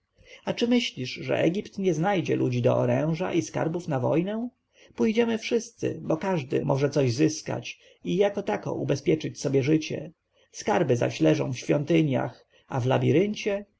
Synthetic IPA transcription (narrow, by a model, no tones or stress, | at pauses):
at͡ʂɘmɘɕlʲiʂʐɛ̰ʔɛɡʲipt̪ɲɛznajd͡ʑɛlʔud͡ʑid̪ɔʔɔɾɛ̃w̃ʐa̰ʔiska̰ɾbufnavɔjnɛ̃ | pujd͡ʑɛmɘfʂɘst̪sɘ̰bɔkaʐd̪ɘ̰mʔɔʐɛt̪sɔʑzɘska̰t͡ɕ | ijakɔt̪akɔ̰ʔubɛspʲjɛt͡ʂɘt͡ɕsɔbʲjɛʐɘt͡ɕɛ̰ | skaɾbɘza̰ɕlɛʐɔ̃w̃fɕfʲjɔnt̪ɘɲja̰x | avlabʲiɾɘɲt͡ɕɛ